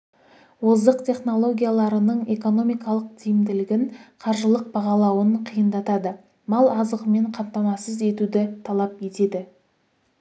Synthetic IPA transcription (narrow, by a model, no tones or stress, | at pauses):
wozəqt̪ʰʲe̞χno̞lˠo̞ɡʲijalˠɑɾənəɴe̞ko̞no̞mijkɑlˠəq̚t̪ʰijɪmd̪ɪlɪɡʲɪnqʰɑɾʒəlˠəq̚bɑʁɑlˠɑwənqʰijənd̪ɑt̪ɑd̪ə | mɑlˠɑzəʁəme̞ɴqʰɑmt̪ɑmɑsəze̞t̪ud̪ɪt̪ʰɑlˠɑpe̞t̪e̞d̪ɪ